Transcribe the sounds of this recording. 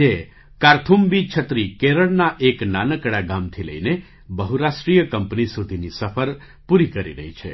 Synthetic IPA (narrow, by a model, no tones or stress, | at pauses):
e | kaɾt̪ʰumbit͡ʃʰət̪ɾikeɾəɭnaʔeknanəkɽaɡamt̪ʰilə̰ine | bəɦuɾaʃʈɾijəkəmpnisud̪ʱinisəfʰəɾ | puɾikəɾḭɾəɦit͡ʃʰḛ